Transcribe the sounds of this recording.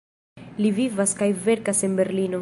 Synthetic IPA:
livivaskajve̞ɾkase̞nbe̞ɾlino̞

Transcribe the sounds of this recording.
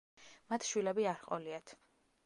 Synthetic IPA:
mat̪ʰʃwilɛbiaɾχʼɔ̰liat̪ʰ

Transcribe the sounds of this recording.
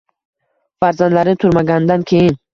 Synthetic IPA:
faɾzand̪laɾɪt̪ʰʊɾmaɡʲanɪd̪ankʲʰe̞jɪn

